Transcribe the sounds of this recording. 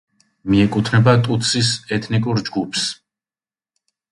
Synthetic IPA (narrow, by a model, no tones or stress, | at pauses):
miɛkʼut̪ʰnɛbat̪ʼut̪sʰisɛt̪ʰnikʼuɾd͡ʒɡupʰs